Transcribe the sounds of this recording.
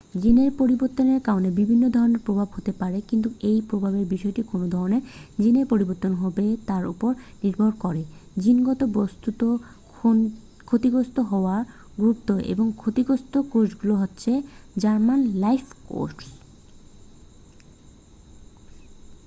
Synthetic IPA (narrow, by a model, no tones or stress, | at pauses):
d͡ʑineɾpoɾiboɾt̪ːoneɾkaonebibʱinːod̪ʱɔɾoneɾpɾobʱabɦot̪epaɾekint̪uejpɾobʱabeɾbiʃɔeʈikonod̪ʱɔɾoneɾd͡ʑineɾpoɾiboɾt̪onɦɔbet̪aɾṵpoɾniɾbʱoɾkɔɾed͡ʑinɡɔt̪obost̪ut̪o | kʰot̪iɡost̪oɦɔoaɾ | ɡɾup̚t̪oḛboŋkʰot̪iɡost̪okod͡ʑɡuloɦotːɕʰed͡ʑaɾmanlajfʰko̰ʈs